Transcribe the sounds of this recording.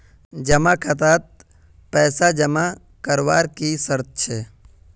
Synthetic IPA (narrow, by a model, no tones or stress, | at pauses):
d͡ʒəmakʰət̪aːt̪̚ | pɛːsad͡ʒəma | kəɾʋaːɾkisəɾt̪̚t͡ʃʰe